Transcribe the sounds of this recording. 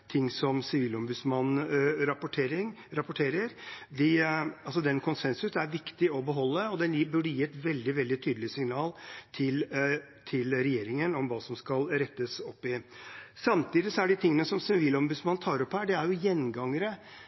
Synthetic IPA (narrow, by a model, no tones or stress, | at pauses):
t̪ʰɪŋːsɔmsɪʋiːlɔmbʉsmɑnːɾpʊʈʰeːɾɪŋ | ɾɑpʊʈʰeːɾəɾd̪ɪɑlsɔd̪ɛnkʰʊnsɛnsʉsæɾʋɪkt̪ɪɔbəɦɔlːəɔd̪ɛnjbʉɖəjiːɛt̪ʋɛld̪ɪʋɛld̪ɪt̪ʰyːd̪l̩ɪsɪŋnɑːlt̪ʰɪl | t̪ʰɪlɾɛjeːɾɪŋənɔmʋɑːsɔmskɑlɾɛt̪ːəsɔpːɪsɑmt̪ʰiːd̪ɪsɔæɖɪt̪ʰɪŋːənəsɔmsɪʋiːlɔmbʉd̪smɑnːt̪ʰɑːɾɔpːhæːɖɛæɾjʊjɛnːɡɑŋəɾə